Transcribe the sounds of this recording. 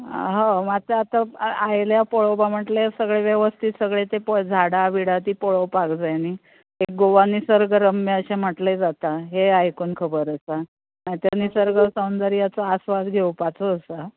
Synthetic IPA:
ɦə̃mat̪eat̪aajljapɔɭowbam̤əʈlesəɡɭeʋjeʋəst̪ʰit̪səɡɭet̪epod͡zʱaɽaʋiɽat̪iːpɔɭowpaɡd͡zajni | ek̚ɡoʋanːisəɾɡəɾəmːəəɕem̤əʈled͡zat̪aɦeajkunkʰəbəɾəsa | mãjt̪anːisəɾɡəsəwnd̪əɾijat͡səasʋad̪ɡʱewpat͡soːsa

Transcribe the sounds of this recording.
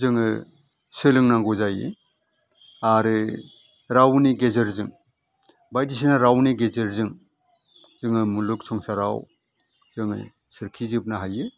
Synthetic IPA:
zɯŋɯ | sɯlɯŋnaŋɡuzajɯ̰ | aɾɯ | ɾawniɡezɯɾzɯŋ | bajdis̬inaɾawniɡezɯɾzɯŋ | zɯŋɯmuluksʰɔŋsaɾa̰w | z̥ɯŋɯ̰ | sɯɾkʰizɯp̚naɦajɯ

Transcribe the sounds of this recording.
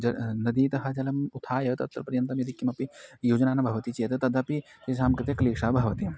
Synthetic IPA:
d͡ʒɐnɐd̪iːt̪ɐɦɐd͡ʒɐlɐmut̪ʰaːjɐt̪ɐ̰t̪ːɐɾpɐɾjɐnt̪ɐmjɐd̪ikːimɐpijuːd͡ʒɐnaːnɐbʱɐʋɐt̪it͡ʃijet̪ɐt̪ɐd̪ɐpi | t̪eʃ̬aːmkɾɪt̪jɐkɐliːkʂaːbʱɐʋɐt̪i

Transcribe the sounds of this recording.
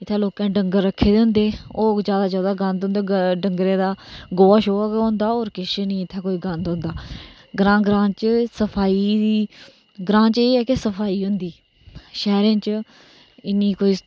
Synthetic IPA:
ɪt̪ʰːãːloːkãːɖəŋɡəɾːəkʰːeːd̪ẽːnd̪eːoːzjaːd̪aːzjaːd̪aːɡənd̪õːnd̪eːɖəŋɡɾẽːd̪aːɡoːʋaːʃoːkõːnd̪aːoːɾkɪʃnĩːɪt̪ʰːãːkoːiːɡənd̪õːnd̪aː | ɡɾãːɡɾãːt͡ʃsəpʰaːiːd̪iː | ɡɾãːt͡ʃeːɛːkɪsəpʰaːiːɦʊ̃nd̪iː | ʃɛːɾẽːt͡ʃ | ɪnːiːkoːiː

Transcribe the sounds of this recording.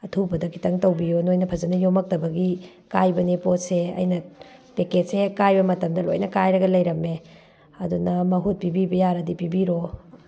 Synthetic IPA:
ɐtʰubɐdɐkʰi̥tʰɐŋtɐwbijonojnɐpʰɐzɐnɐjomɐk̚tɐbɐɡi | kajbɐnepot̚seɐ̰jnɐpeked͡ʒsekajbɐmɐtɐmdɐlo̰jnɐkajɾɐɡɐlɐjɾɐme | ɐdunɐmɐɦut̚pibibɐjaɾɐdipibiɾo

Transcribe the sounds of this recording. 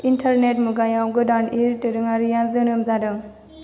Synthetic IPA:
intʰaɾnetmuɡajawɡɯdanʔiɾtɯɾɯŋaɾijanzɯnɯmzadɯŋ

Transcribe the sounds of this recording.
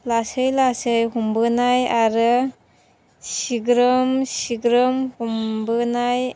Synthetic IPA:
lasɯjlasɯjɦumbɯnajaɾɯ | siɡɾɯmsiɡɾɯmhumbɯnaj

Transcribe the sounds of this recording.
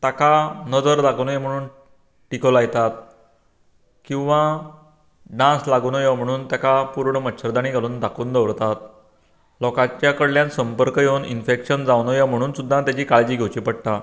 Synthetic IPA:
t̪akanəd͡zəɾd̪akunjem̤əɽ̃uːn | ʈikolajt̪at̪̚ | kĩw̃ʋã | ɖãslaɡuːnojam̤əɽ̃uːnt̪jakapuɾɳəmətːɕʰəɾd̪añiɡʱaluːnd̪akuːnd̪əʋɾt̪at̪̚ | lɔkãt͡ɕjakəɽljãnsəmpəɾkəjewnḭnfekɕənd͡zawnɔjam̤əɽ̃uːnsud̪ʱːat̪jat͡ɕiːkaɭd͡ʑiːɡʱewt͡ɕiːpəɽʈ̪a

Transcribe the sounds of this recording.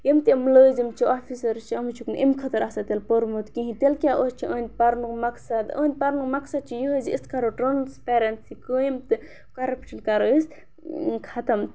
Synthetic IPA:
jemt̪imləːzimt͡ʃʰiofisɐɾt͡ʃʰiɐmɨt͡ʃʰuknʔimkʰɐt̪ɐɾaɦsat̪elpəɾmut̪kĩɦĩt̪elkʲjaʔost͡ʃʰiʔə̃ːnʲpɐɾnukmɐksɐd̪ə̰ːnʲpɐɾnukmɐksɐd̪̚t͡ʃʰijəɦəziist̪kʰaɾoʈɾɐnspeɾɐnsikəjimt̪ɨ | kaɾɐpʰʲi̥ʈʰilkaɾəs | kʰɐt̪ɐm

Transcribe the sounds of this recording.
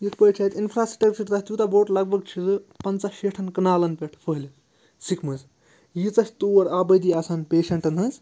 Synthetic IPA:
jit̪pət͡ʃʰɐt̪inpʰɾaːsʈɐkt͡ʃɐɾt̪ɐsʲt̪jut̪aboːʈlɐɡ̚bʱɐɡ̚t͡ʃʰizɨpɐnt͡saʃeʈʰɐnkɐnaːlɐnpeʈʰpʰəɦlʲ | sikʰmɨz | jit͡sɐsʲt̪uːwɐɾaːbɐjd̪iaːsaːnpeːʃɐɳʈɐnʰɐnt͡s

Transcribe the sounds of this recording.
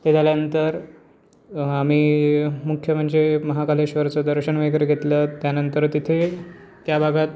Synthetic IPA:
t̪ed͡zʱaljanənt̪əɾ | amiːmukʰːjəm̤əɳɕeməɦakaleɕʋəɾt͡sɔd̪əɾɕəɳʋeɡɾəɡʱet̪lət̪janənt̪əɾt̪it̪ʰet̪jabʱaɡat̪̚

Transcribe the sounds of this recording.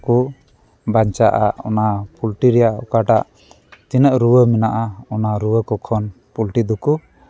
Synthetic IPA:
ku | baɲt͡ʃaʔaɔ̰napulʈiɾɛjaɔ̰kaʈaʔ | t͡ʃinəʔɾuwəmɛnaʔaɔnaɾuwəkɔkʰɔn | pulʈid̪ɔku

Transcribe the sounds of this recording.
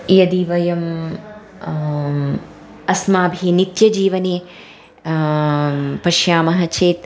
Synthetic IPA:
jɐd̪iːʋɐjɐm | ɐsmaːbʱiːnit̪jɐd͡ʒiːʋɐneː | pɐʃjaːmɐɦɐt͡ʃeːt̪

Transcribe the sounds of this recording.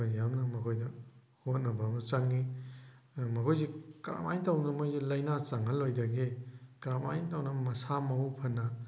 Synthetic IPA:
ojjamnɐmɐkʰojdɐ | hot̚nɐbamɐt͡ʃaŋːi | mɐkʰojzekɾa̰ma̰jntawnɐmojzelɐjnat͡ʃaŋalojdɐɡekɾamajtawnɐmɐsamawpʰɐnːɐ

